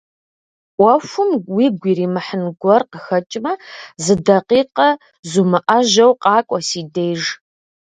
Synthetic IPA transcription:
wʷɐfʷʊmwiːɡʷiːriːmɨħənɡʷɔrqəxɐt͡ʃʼmɐzɨdɐqiːqɐ | zumɨʔɐʒɐwqʼɑːkʷʼɔsiːdejʒ

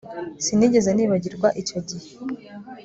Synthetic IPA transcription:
siniɟe̞zeniːβaɟiɾɡwaʔicoɟihe

